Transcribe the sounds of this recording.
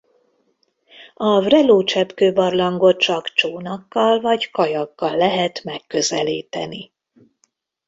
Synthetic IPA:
ɒvrɛloːt͡ʃɛpkøːbɒrlɒŋɡo̞t̪t͡ʃɒkt͡ʃoːnɒkːɒlvɒɟkɒjɒkːɒlːɛɦɛt̪mɛkːø̞zɛliːt̪ɛ̰ni

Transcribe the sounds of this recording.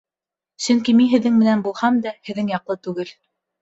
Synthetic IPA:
sɵŋkimiɦɘ̆ðːɘŋmɘ̆nænbulˠhɑmd̪æhɘ̆ðːɘŋjɑqlˠɤt̪ʉɡɘl

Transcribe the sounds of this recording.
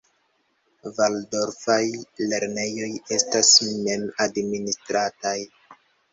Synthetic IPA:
valdo̞ɾfajle̞ɾne̞jo̞je̞stasme̞madministɾataj

